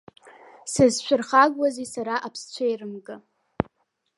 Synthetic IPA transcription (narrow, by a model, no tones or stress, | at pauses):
sɨzʃʷᶣʰʊrχaɡʷwazisaɾaʔapʰst͡ɕʷʰajrɨmɡɨ